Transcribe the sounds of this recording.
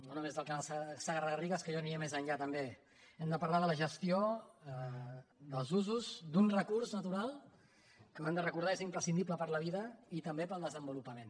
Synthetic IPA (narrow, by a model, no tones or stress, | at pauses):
nonumezðəlˠkənalˠssəɣərəɣəriɣəskəʒɔniəmezəɲʎat̪əmbe | ɛmd̪əpɐɾlaðələʒəst̪io | d̪əlˠzuzuzd̪unrəkurznət̪uɾalˠ | kəwɛmd̪ərəkuɾðaezimpɾəsind̪ipləpəɾləβiðəit̪əmbepəlˠd̪əzəmbulupəmẽn